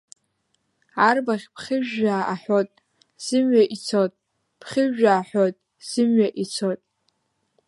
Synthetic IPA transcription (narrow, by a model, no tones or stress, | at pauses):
arbaχʲpʰχʲɪʒaːaħʷotʼ | z̥ɨmɥaʔit͡sʰotʼ | pʰχʲɪʒᶣaːħʷotʼ | z̥ɨmɥaʔit͡sʰotʼ